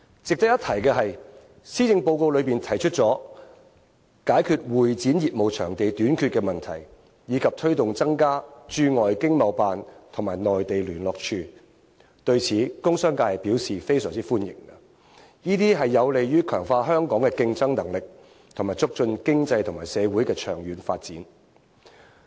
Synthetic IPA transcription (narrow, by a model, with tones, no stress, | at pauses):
t͡sɪ˨k̚t̪ɐ˥kjɐ˥t̪ʰɐ˨˩jkɛ˧ɦɐ˨j | siː˥t͡sɪ˧ŋpo˧wko˧wlɵ˨˧ɥpiː˨nt̪ʰɐ˨˩jt͡ʃʰɵ˥t̚t͡sɔː˨˥ | kaː˨˥jkʰyː˨˧t̚wuː˨jt͡siː˨˥njiː˨p̚mo˨˧wt͡ʃʰœː˨˩ŋt̪e˨jt̪yː˨˥nkʰyː˧t̚kɛ˧mɐ˨nt̪ʰɐ̰˨˩j | jiː˨˧kʰɐ˨p̚t̪ʰɵ˥ɥt̪ʊ˨ŋt͡sɐ˥ŋkaː˥t͡ʃyː˧ŋɔː˨jkɪ˥ŋmɐ˨˧wpaː˨nt̪ʰʊ˨˩ŋmaː˨˩jnɔː˨jt̪e˨jlyː˨˩nlɔː˨k̚t͡ʃʰyː˧ | t̪ɵ˧ɥt͡sʰiː˨˥kʊ˥ŋsœː˥ŋkaː˧hɐ˨jpiː˨˥wsiː˨fe˥jsœː˨˩ŋt͡siː˥fuː˥njɪ̰˨˩ŋɐ˧ | jiː˥t̪iː˥ɦɐ˨jːɐ˨˧wle˨jjyː˥kʰœː˨˩ŋfaː˧ɦœː˥ŋkɔː˨˥ŋkɛ˧kɪ˧ŋt͡sɐ˥ŋnɐ˨˩ŋlɪ˨k̚ | t̪ʰʊ˨˩ŋmaː˨˩jt͡sʊ˥k̚t͡ʃɵ˧nkɪ˥ŋt͡sɐ˧jt̪ʰʊ˨˩ŋmaː˨˩jsɛː˨˧wuː˨˥jkɛː˧t͡ʃʰœː˨˩ŋjyː˨nfaː˧t̚t͡siː˨˥n